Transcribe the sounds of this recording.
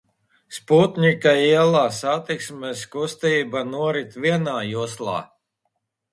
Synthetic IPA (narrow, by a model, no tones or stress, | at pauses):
spuːt̪nʲikaiɛlˠaːsat̪iksmɛskust̪iːbanuɔɾit̪viɛnaːjuɔslˠa̰ː